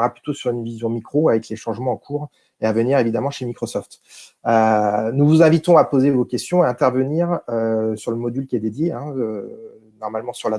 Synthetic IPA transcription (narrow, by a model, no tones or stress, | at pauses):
ʁaply̥t̪osyʁynvizjɔ̃mikχoavɛkleʃɑ̃ʒmɑ̃ːkʰuːʁ | eavəniʁevid̪amɑ̃ʃemikχɔsɔft̪ | ønuvuzɛ̃vit̪ɔ̃apozevokʲɛst̪jɔ̃aɛ̃t̪ɛʁvəniːʁøsyʁləmɔd̪ylkʲiɛd̪ed̪jeɛ̃ø | nɔʁmalmɑ̃syʁla